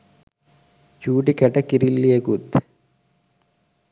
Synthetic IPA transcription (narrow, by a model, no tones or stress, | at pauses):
t͡ʃuːʈikɛʈɐkiɾilːieɡut̪